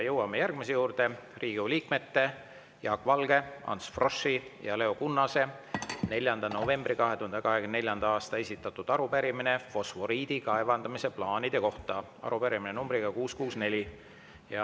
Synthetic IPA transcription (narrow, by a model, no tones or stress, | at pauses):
jɤwɑme̞jærɡ̥̚mise̞juːɾd̪̥e̞riːɡ̥uliːkme̞t̪ːe̞ | jɑːkːˑvɑlɡ̥e̞ɑ̰nsfro̞sːijɑle̞okunːɑse̞ | ne̞lʲjɑnd̪ɑno̞ve̞mbrikɑɦe̞t̪uhɑnd̪ekɑɦeɡnne̞lʲjɑnd̪̥ɑɑːst̪ɑe̞sit̪ːˑɑt̪ːˑud̪̥ɑɾupæɾimine̞fo̞sfo̞ɾiːd̪̥ikɑevɑnd̪̥ɑmise̞plɑːnid̪̥e̞ko̞ht̪ɑ | ɑ̰ɾupæɾiminenumbɾiɡ̥ɑkuːskuːsne̞lʲi | jɑ